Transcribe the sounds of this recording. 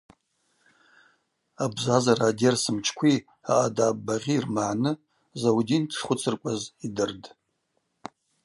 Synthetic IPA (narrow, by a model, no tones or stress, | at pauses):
abzazaradersɨmt͡ʃʰkʷʰi | a̰ʔadaːbːaʁʲiːrmaʕnɨ | zawudintʰʂχʷʊt͡sʰɨrkʷʼazidɨrd